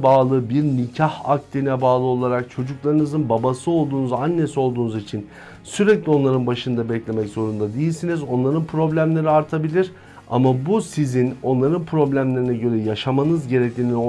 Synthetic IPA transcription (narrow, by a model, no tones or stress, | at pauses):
baːlˠɯbiɾnicʰahak̚t̪ʲinɛbaːlˠɯo̞lˠaɾak̚t͡ʃʰo̞d͡ʒuklˠaɾɯnɯzɯnbabasɯo̞lˠd̪uːnuzanːe̞sio̞lˠd̪uːnuzit͡ʃʰin | syɾɛclʲio̞nlˠaɾɯnbaʃɯnd̪abɛclʲe̞mɛczo̞ɾund̪ad̪ejilʲsinizo̞nlˠaɾɯnpʰɾo̞blʲæmlʲe̞ɾiaɾt̪ʰabilʲiɾ | a̰mabusizino̞nlˠaɾɯnpʰɾo̞blʲæmlʲe̞ɾinɛɟø̞ɾɛjaʃamanɯzɟe̞ɾɛclʲiːnin